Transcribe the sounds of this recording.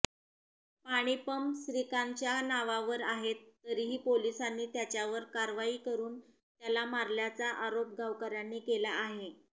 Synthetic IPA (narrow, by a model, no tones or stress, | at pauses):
paɽ̃ipəmsɾikaɲt͡ɕjanaʋaʋəɾaɦet̪ːəɾiːɦiːpolisanːiːt̪jat͡ɕjaʋəɾkaɾʋaiːkəɾuːn | t̪jalamaɾljat͡saʔaɾop̚ɡʱaʋkaɾjanːiːkelaːɦe